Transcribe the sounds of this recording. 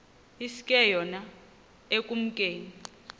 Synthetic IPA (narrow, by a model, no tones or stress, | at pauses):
isi̥kʼɛjɔna | ekʼum̩kʼeːni